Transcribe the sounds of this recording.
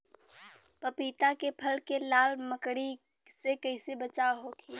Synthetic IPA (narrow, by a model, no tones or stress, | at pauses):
pəpiːt̪akepʰəlkelaːlməkɽi | sekəɪsebət͡ʃaɦokʰiː